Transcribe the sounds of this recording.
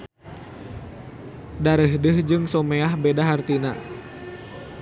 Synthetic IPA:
daɾəɦdɨhd͡ʒɨŋsɔmeahbedaɦart̪ina̰

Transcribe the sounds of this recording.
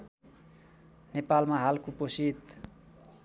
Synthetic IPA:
nepalmaɦalkoposit̪

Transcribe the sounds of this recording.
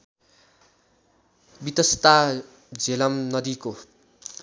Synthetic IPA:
bit̪ʌst̪a | d͡zelʌmnʌd̪iko

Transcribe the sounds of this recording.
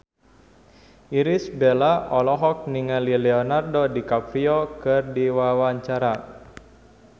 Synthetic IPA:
iɾisbelaʔɔlɔɦɔk̚niŋalilɛɔnardodikafiɔkɨrdiwawaɲt͡ʃaɾa

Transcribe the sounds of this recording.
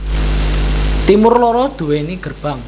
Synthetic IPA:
t̪imʊrlɔɾɔd̪̥ṳwɛniɡ̥ərb̥a̤ŋ

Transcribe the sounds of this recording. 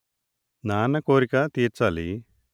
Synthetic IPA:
naːnɐkoːɾikɐt̪iːɾt͡ʃaːli

